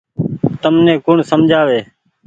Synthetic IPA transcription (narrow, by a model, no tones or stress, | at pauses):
t̪əmnẽːkʊɳsəmd͡ʒʱaːʋeː